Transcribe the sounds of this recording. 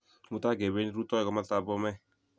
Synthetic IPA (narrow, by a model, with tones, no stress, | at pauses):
mu˦ta˦ɡe˨βe˦ni˦ɾu˦tɔ˦i˦ɡɔ˦ma˦ta˦bɔ˦mɛ˦